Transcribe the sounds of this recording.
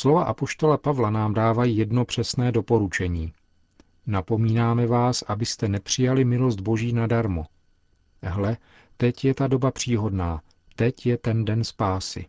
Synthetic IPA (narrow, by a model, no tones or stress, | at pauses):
slo̞vaʔapo̞ʃt̪o̞lapavlanaːmdaːvajiːjɛdno̞pr̥ɛsnɛːdo̞po̞ɾut͡ʃɛɲiː | napo̞miːnaːmɛvaːsʔabɪst̪ɛnɛpr̝̥ɪjalɪmɪlo̞sd̪̚bo̞ʒiːnadaɾmo | ɦlɛ | t̪ɛcjɛt̪ado̞bapr̝̥iːɦo̞dnaː | t̪ɛcjɛt̪ɛndɛnspaːsɪ̰